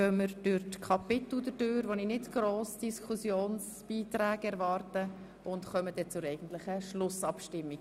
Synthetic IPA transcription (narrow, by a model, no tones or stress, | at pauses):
œməɾd̥ʊɾtkʰɑpɪt̪l̩dədøːɾʋoninɪtɡ̥ɾoːsd̥iskʰusjoːns | b̥iːtɾæːɡɛɾvɑːrtə | ʔʊntχœmədɛt͡sʊɾɛɪɡən̩t̪lɪχəʃlʊsɑpʃtɪmːiɡ̚